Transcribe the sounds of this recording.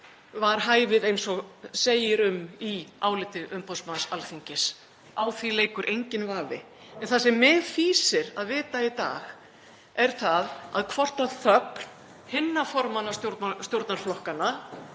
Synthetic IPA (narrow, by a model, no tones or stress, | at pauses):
vaɾ̥ɦaːjvɪðejnsɔɣseːjɪɾʏmiaːwlɪt̪ɪʔʏmpɔsmansalfiɲcɪs | awθvileːjkʏɾʔejɲcɪnvaːvɪ̰ | ɛnθasɛmːɛðfiːsɪɾaðvɪːt̪ait̪a̰ːɣ | ɛɾ̥θaða̰ðkʰvɔr̥t̪aðθœkn | hɪnːafɔɾmanːasjoɾt̪st̪jowɾt̪naɾflɔhkana